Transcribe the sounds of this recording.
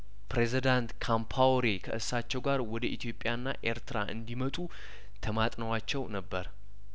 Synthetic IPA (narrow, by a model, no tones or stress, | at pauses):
pɾezid̪ant̪kʰampʰawɾikʰəʔɨsːat͡ʃːɛwɡaɾwɔd̪əʔit̪ʰjo̞pʼːjanːa̰ʔe̞ɾt̪ɾa̰ʔɨ̰nd̪imət̪ʼu | t̪ʰəmat̪ʼnəwat͡ʃːɛwnəbːəɾ